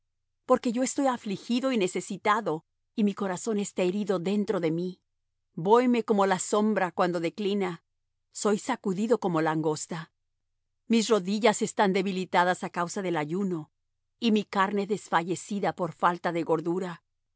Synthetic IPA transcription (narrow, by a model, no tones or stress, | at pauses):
po̞ɾke̞ʝo̞est̪o̞jaflixiðo̞ine̞se̞sit̪aðo̞ | imiko̞ɾaso̞ne̞st̪ae̞ɾiðo̞ðe̞nt̪ɾo̞ðe̞mi | bo̞jme̞ko̞molaso̞mbɾakwand̪o̞ðe̞klina | so̞jsakuðiðo̞ko̞mo̞laŋɡo̞st̪a | mis̬ro̞ðiʝase̞st̪and̪e̞βilit̪aðasakawsaðe̞laʝuno̞ | imikaɾne̞ðe̞sfaʝe̞siðapo̞ɾfalt̪aðe̞ɣo̞ɾðuɾa